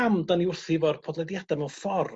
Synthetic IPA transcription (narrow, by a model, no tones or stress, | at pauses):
amdaniʊrθivɔrpʰɔdlˠɛdjadamɛwfɔr